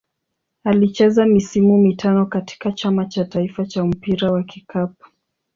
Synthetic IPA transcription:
alit͡ʃɛzamisimumitʰanɔkati̥kat͡ʃamat͡ʃataifat͡ʃam̩piɾawakikap̚ḁ

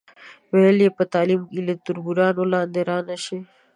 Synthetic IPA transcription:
weljepət̪aːlimkilet̪uɾbuɾaːnolãːnd̪eɾaːnɐɕe

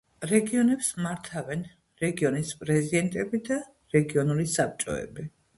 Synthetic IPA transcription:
ɾɛɡiɔnɛpsmaɾt̪ʰavɛn | ɾɛɡiɔnispʼɾɛzid̪ɛnt̪ʼɛbid̪a | ɾɛɡiɔnulisap̚ʰt͡ʃʼɔ̰ɛ̰bi

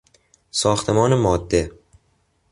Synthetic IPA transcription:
sɒːxt̪ʰemɒːnemɒːd̪ːe

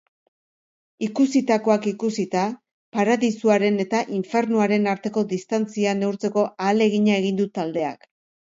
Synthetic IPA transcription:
ikusit̪ako̞akikusit̪a | paɾaðisuaɾe̞ne̞t̪aʔiɱfe̞ɾnuaɾe̞naɾt̪e̞ko̞ðist̪ant͡siane̞uɾt͡se̞ko̞ʔaːle̞ɣ̞iɲae̞ɣ̞ind̪ut̪ald̪e̞a̰k

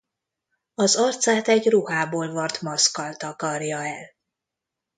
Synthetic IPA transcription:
ɒzɒrt̪saːt̪ɛɟruhaːboːlvɒrt̪mɒskɒlt̪ɒkɒrjɒɛl

